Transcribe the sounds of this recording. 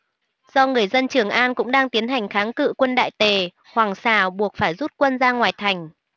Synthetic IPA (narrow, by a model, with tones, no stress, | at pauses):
zɔ˧ŋɨ˨˩əjzə˧nt͡ɕɨ˨˩əŋʔaː˧nkʊ̰˧˥ŋ͡mɗaː˧ŋt̪i˨˦ənɦa˨˩jŋ̟xaː˨˦ŋkɨ̰˧˨kwə˧nɗa̰ː˧˨jt̪e˨˩ | hwaː˨˩ŋsaː˧˩ɓu˨˩ək̚faː˧˩jzu˦˥t̚kwə˧nzaː˧ŋwaː˨˩jt̪ʰa˨˩jŋ̟